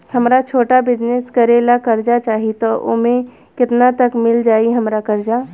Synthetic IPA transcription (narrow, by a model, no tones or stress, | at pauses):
həmɾat͡ʃʰoːʈabɪd͡ʒneskəɾelakəɾd͡ʒat͡ʃaːɦit̪ɔʔo̰mẽ | kɪt̪nat̪əkmɪld͡ʒaːiɦəmɾakəɾd͡ʒa